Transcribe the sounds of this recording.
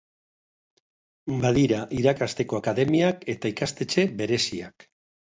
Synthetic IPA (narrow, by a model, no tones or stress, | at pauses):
baðiɾaʔiɾakast̪e̞ko̞akaðe̞miake̞t̪aikast̪e̞t͡ʃe̞be̞ɾe̞sia̰k